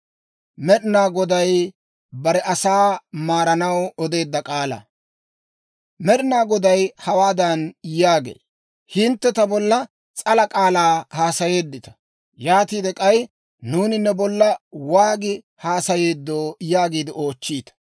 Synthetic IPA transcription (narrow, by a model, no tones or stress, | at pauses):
mɛɗɪnaːɡɔd̪ɐj | bɐɾɛʔɐsaːmaːɾɐnɐwɔd̪e̞ːd̪ːɐkʼaːlɐ̰ | mɛɗɪnaːɡɔd̪ɐjhɐwaːd̪ɐnjaːɡḛː | hɪnt̪ːɛt̪ɐbɔlːɐ | t͡sʼɐlɐkʼaːlaːhaːsɐje̞ːd̪ːɪt̪ɐ̥ | jaːt̪iːd̪ɛkʼɐj | nuːnɪnːɛbɔlːɐwaːɡɪ | haːsɐje̞ːd̪ːoːjaːɡiːd̪ɪo̞ːt͡ʃːiːt̪ɐ̥